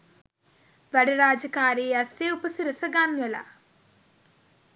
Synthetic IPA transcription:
ʋɐɽɐɾaːd͡ʒɐkaːɾeːɐsjeupɐsiɾɐsɐɡaːnʋɐla̰

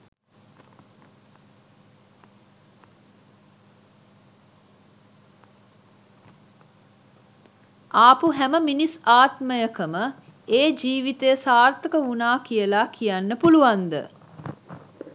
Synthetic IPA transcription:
ʔaːpuɦæməminisaːt̪məjəkəmə | eːd͡ʒiːʋit̪əjəsaːrt̪əkəunaːkijəlakʰijanːəpuluʋand̪ə̰

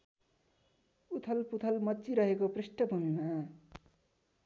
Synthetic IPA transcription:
ut̪ʰʌlput̪ʰʌlmʌt͡siɾʌɦekopreʂʈʌbʱumima

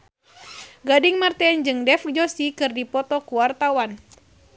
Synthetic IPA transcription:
ɡadiŋmart̪ɛnd͡ʒɨŋdɛfkd͡ʒɔsikɨrdipɔt̪ɔkuwart̪awan

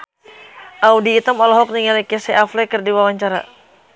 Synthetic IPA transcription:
ʔaudiːt̪əmɔlɔɦɔk̚niŋalikɛsɛʔaflɛkɨrdiwawaɲt͡ʃaɾa̰

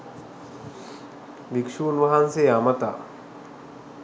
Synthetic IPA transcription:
ʋikʂuːnʋɐɦanseːamət̪a̰ː

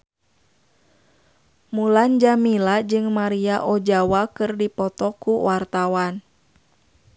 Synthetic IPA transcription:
muland͡ʒamilad͡ʒɨŋmaɾiaʔɔd͡ʒawakɨrdipɔt̪ɔkuwart̪awan

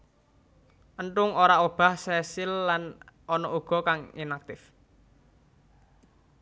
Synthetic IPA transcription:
ʔəɳʈʊŋoɾaob̥a̤hsɛsɪlːanʔɔnɔʔuɡ̥ɔ̤kaŋḭnak̚t̪ɪf

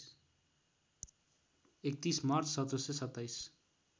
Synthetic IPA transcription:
ek̚t̪ismaɾt͡sʰsʌt̪ɾʌsesʌt̪ːajs

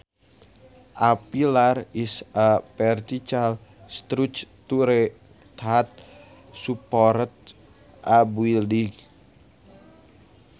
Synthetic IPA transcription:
ʔapilarisapɛrt̪it͡ʃalst̪ɾut͡ʃt̪uɾe | t̪at̪̚ | supɔɾət̪̚ | ʔabwildiɡ

